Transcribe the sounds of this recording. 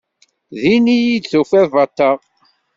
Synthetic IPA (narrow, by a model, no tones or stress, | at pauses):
ðinijid̪θufæðvɑt̪ːɑʁ